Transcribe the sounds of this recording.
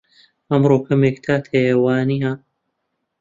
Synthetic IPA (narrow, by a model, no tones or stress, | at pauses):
ʔɐmɾoːkʰɐmeːk̚t̪ʰaːt̪ʰejewaːniɦa